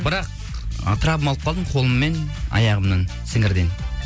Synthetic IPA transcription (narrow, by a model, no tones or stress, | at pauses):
bɪɾɑq̚ | ɑ̰t̪əɾɑbəmɑlˠəpqʰɑlˠd̪əɴqʰo̞lˠəmːe̞nɑ̰jɑʁəmnəɴsɪŋɪɾd̪e̞n